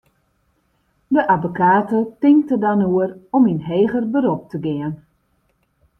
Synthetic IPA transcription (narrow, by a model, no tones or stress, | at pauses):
dəʔavokaːtətɪŋk̚tədanuərɔminɦeːɣərbəɾop̚tʰəɡɪən